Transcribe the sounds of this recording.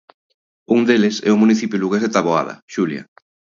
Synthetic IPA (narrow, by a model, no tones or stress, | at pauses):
uŋd̪elɪsɛ̰ʊmuniθipjuluɣezðet̪aβoa̰ðɐ̰ʃulja̰